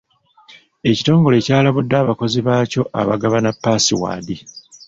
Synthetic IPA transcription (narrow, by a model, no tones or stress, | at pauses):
e̞cito̞ːŋɡo̞le̞ːcaːlaβudːaːβako̞ziβaːco̞ʔa̰βaɡaβanapːaːsiwa̰ːdi